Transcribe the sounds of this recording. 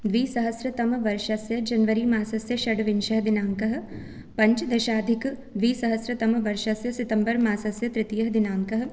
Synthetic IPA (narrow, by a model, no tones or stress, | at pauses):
d̪ʋiːsɐɦəsɾɐt̪ɐmʋɐɾʃɐsjɐd͡ʒɐnʋɐɾiːmaːsɐsjɐʃɐɖʋɪnʃɐɦd̪ɪnaːŋkɐɦ̆ | pɐɲt͡ʃd̪ɐʃaːd̪ʱɪkd̪ʋiːsɐɦɐsɾɐt̪ɐmʋɐɾʃɐsjɐsɪt̪ɐmbɐɾmaːsɐsjɐt̪ɾɪt̪ijɐɦd̪ɪnaːŋkɐɦ̆